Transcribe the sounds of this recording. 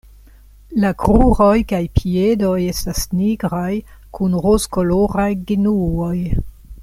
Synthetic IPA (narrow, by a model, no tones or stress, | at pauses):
lakɾuɾo̞jkajpʰie̞do̞je̞stasniɡɾaj | kunɾoskoloɾajɡinuoj